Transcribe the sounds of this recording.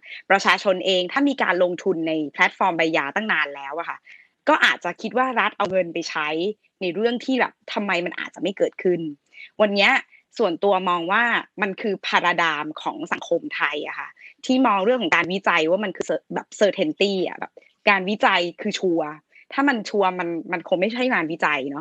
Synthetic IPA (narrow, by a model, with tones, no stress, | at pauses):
pɾa˧t͡ɕʰaː˧t͡ɕʰo˧nʔeː˧ŋt̪ʰaː˥˩miː˧ka̰ː˧nlo˧ŋt̪ʰu˧nːa˧jpʰlɛ˦˥t̪̚fɔː˧mba˧jːaː˧t̪a˥˩ŋnaː˧nlɛː˦˥wʔa˨˩kʰa̰˥˩ | kɔː˥˩ʔa̰ː˨˩t̪̚t͡ɕa˨˩kʰi˦˥t̪̚waː˥˩ɾa˦˥t̪̚ʔa˧wŋɤ˧npa˧jt͡ɕʰa˦˥j | na˧jɾɯ˥˩əŋt̪ʰiː˥˩bɛ̰ː˨˩p̚t̪ʰa˧mːa˧jma˧nʔa̰ː˨˩t̪̚t͡ɕa˨˩ma˥˩jkɤː˨˩t̪̚kʰɯ˥˩n | wa˧nːi˦˥ɐ | su˨˩ənt̪u˧ɐmɔː˧ŋwaː˥˩ma˧nkʰɯː˧pʰaː˧ɾa˧daː˧mkʰɔ̰ː˩˦ŋsa̰˨˩˦ŋkʰo˧mt̪ʰa˧jʔa̰˨˩xʰa̰˥˩t̪ʰiː˥˩mɔː˧ŋɾɯ˥˩əŋkʰːɔ˨˩˦kaː˧nwi˦˥t͡ɕa˧jwaː˥˩ma˧nkʰɯː˧sɤː˧bɛ̰ː˨˩p̚sɤː˧t̪ʰe˧nt̪iː˥˩ʔa̰˨˩bɛ̰ː˨˩p̚ | kaː˧nwi˦˥t͡ɕa˧jkʰɯː˧t͡ɕʰu˧ɐ | t̪ʰaː˥˩ma˧nt͡ɕʰu˧ɐma˧nma˧nkʰo˧ŋma˥˩jt͡ɕʰa˦˥˩jaː˧nwi˦˥t͡ɕa˧jnɔ˦˥